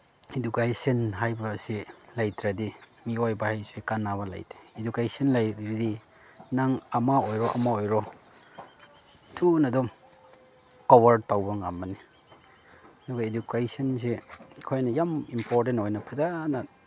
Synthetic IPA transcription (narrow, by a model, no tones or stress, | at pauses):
edukajsɐnɦajbɐsilajtɾadi | miojbɐhajsekanːaβɐla̰jte̥ːdukajsanlajtɾidi | naŋɐmaojɾɔʔɐ̰maojɾɔ | tʰunɐdɔm | kɔbaɾd̚tawbɐŋa̰mːɐni | ɐduɡaedukajsɔnsekʰojnɐjamimpoɾtentojnɐpʰazana